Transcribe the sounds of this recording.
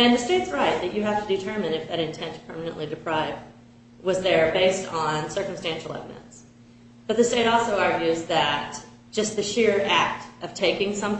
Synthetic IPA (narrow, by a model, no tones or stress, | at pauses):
ɨ̃nðɨsteɪtsɹaɪt̪̚ðɨt͡ʃɨɦæftɨdɨtʰɜ˞mɨ̃nɨfðɨɾɨ̃ntʰɛ̃ntpʰɜ˞mɨnɨ̃nʔlidɨpʰɹ̥aɪvd̚ | wʌzðə˞beɪstn̩sɜ˞km̩stæ̃nʃl̩ˠɛ̰vəɾɨ̰̃nts | b̥ʌt̪̚ðɨsteɪɾɔlˠsoʊɑɹɡjʉzðɨt̚ | d̥ʒ̥ʌst̪̚ðɨʃɪɹæk̚tʔʌv̥tʰeɪkɪ̃ŋsʌ̃m